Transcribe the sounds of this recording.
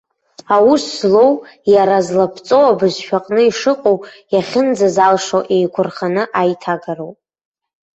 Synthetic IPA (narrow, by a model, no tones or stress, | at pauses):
awusːlo̞wjaɾazlapʰt͡sʼowabɨzʃᶣaqʼnɨiʂɨqʼowjaχʲɪnd͡zazalʂowʔejkʷʰʊrχanɨʔajtʰaɡaɾowpʼ